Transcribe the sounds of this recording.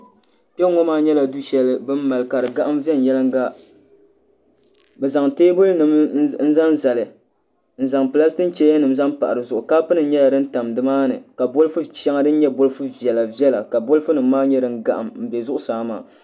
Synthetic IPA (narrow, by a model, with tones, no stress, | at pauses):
pɛ˦ŋɔ˦maː˦ɲɛ˦la˨du˦ʃɛ˨lɨ˨bɨ˦mː˦a˨lɨ˨ka˨ɾɨ˨ɡa˦ʔa˦mvɛ˦n˨jɛ˦lɨ˦ŋ˦ɡa˦ | bɛ˨za˨ŋteː˦bʊ˦lnɨ˨mn̩˦za˦n˦za˨lɨ˨ | n̩˨za˨ŋpɨ˨la˦stɨ˦n̩˦t͡ʃɛ˦ja˦nɨ˨mza˦mpa̰˨ʔa˨ɾɨ˨zʊ˨ʔʊ˨ka˦pɨ˦nɨ˨˦ɲɛ˦la˨dɨ˦n̩˦ta˨mdɨ˨˦maː˦nɨ̰˨ka˨bo˦lɨ˦fu˦ʃɛ˦ŋa˦dɨ˦n̩˦ɲɛ˦bʊ˦lɨ˦fu˦vɛ˨la˨vjɛ˦la˨ka˨bʊ˦lfu˦nɨ˨m˦maː˦ɲɛ˦dɨ˨ŋ˦ɡa˨ʔa̰˨mm̩˨bɛ˨zʊ˦ʔʊ˦saː˨˦ma̰ː˨